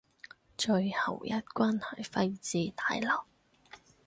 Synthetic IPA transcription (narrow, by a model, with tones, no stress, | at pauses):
t͡ʃɵ˧ɥhɐ˨˩wjɐ˥t̚kʷwaː˥nhɐ˨˩jfɐ˧jt͡siː˨˧t̪ʰaː˨˧˥jlɐ˨˩w